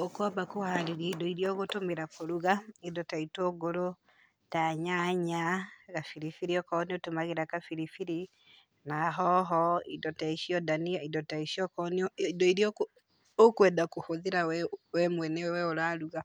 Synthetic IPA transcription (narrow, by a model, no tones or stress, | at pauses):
okɔbakoaɾiɾidoiɾiɔɣotomeɾakoɾuɣaidɔtaitoɡoɾo | taɲaɲaɣafiɾifiɾiɔkɔniotomaɣeɾakafiɾifiɾi | naɦɔɦɔidɔtaiʃiɔdaniaidɔtaiʃiɔkɔniidɔiɾiɔk | okwɛdakohoðeɾawɛwɛmwɛnɛwɛoɾaɾuɣa